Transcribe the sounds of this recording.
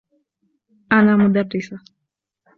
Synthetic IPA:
anamud̪ardisa

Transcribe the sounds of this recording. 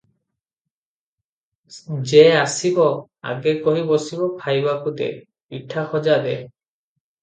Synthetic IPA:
d͡ʒeasibɔ | a̰ɡekɔɦibɔsibɔpʰajbakud̪ḛ | piʈʰaxɔd͡ʒad̪e

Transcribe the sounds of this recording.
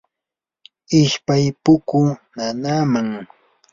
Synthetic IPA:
ɪʃpajpʊkʊnanaːmaŋ

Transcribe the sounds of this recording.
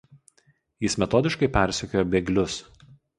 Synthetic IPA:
jɪsmʲɛt̪ɔːd̪ʲɪʃkɐɪpʲæˑɾʲsʲʊkʲoːjoːbʲɛɡlʲʊs

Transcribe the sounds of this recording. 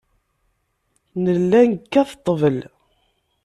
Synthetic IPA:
nəlːænkːæθt̪ˤːəvəl

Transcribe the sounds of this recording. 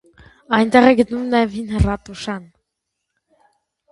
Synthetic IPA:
ɑjnt̪ɛʁɛɡət̪numnɑjɛvhinhərɑt̪uʃɑn

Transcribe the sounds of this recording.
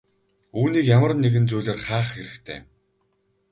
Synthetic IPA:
uːniːkjamə̆rnːeɣɘ̆nt͡sujɮeːrχaːχxeɾɘ̆xt̪ʰḛː

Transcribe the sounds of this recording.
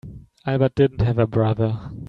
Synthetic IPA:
aɪbət̚d̥ɪdⁿn̩tɦɨvəbɹʌðə˞

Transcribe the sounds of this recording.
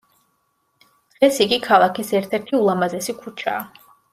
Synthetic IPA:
d̪̥ʁɛsiɡikʰalˠakʰisɛɾt̪ʰɛɾt̪ʰiulˠamazɛsikʰut͡ʃʰa̰ː

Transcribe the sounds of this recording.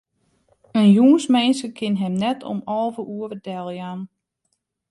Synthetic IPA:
ənjuːnsmɛnsəkʰɪnɦɛmnɛtʰɔ̰mɔlˠvəʔuəvədɛlˠjaːn

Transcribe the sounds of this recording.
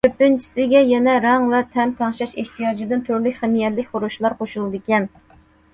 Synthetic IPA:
t̪ʰøpːɪnt͡ʃʰi̥sɪɡʲɛjɛnɛɾɑŋvɛt̪ʰɛmt̪ʰɑŋʃɑʃeht̪ʰijɑːd͡ʒɪd̪ɨnt̪ʰyɾlykʲχæmijɛt̪lɪkʲχoɾuʃlˠɑɾqoʃulˠɨd̪ɨkʲɛn

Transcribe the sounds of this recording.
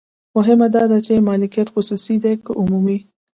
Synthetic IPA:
mʊɦɪmad̪ɑd̪at͡ʃemɑlɪkijat̪xʊsusid̪ekəʔʊmumi

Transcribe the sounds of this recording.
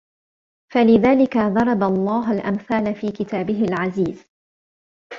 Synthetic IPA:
falɪðaːlɪkaðˤɑɾˤɑbalˤːɑːɦalʔamθaːlafiːkɪt̪aːbɪɦɪlʕaziːz̥

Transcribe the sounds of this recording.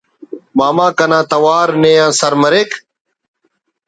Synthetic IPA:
maːmãːkɐnãːt̪ɐwaːɾneːjãːsɐɾmɐɾek

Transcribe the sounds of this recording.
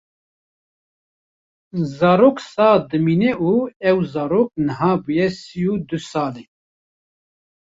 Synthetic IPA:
zɑːɾoːksɑːd̪ɨmiːnɛʔuːɛwzɑːɾoːk̚nəɦaːbujɛsijuːd̪ɨsɑːleː

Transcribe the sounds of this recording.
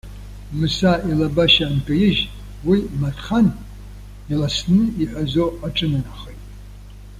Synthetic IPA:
mɨsaʔilabaʃaːnkʼɐjɪʒ | wimatʰʼχan | ilasnɨiħʷazoaʈ͡ʂʼɨnɨnaχəjtʼ

